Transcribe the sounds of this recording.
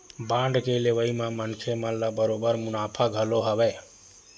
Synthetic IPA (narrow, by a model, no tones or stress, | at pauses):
bãɳɖkeleʋəimemənkʰeməlləbəɾobəɾmunapʰaɡʱəloɦəbɛ